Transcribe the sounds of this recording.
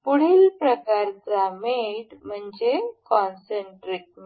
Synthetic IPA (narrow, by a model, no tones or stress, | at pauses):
puɽ̤iːlpɾəkaɾt͡sameɽm̤əɳd͡ʑekɔnseɳʈɾik̚m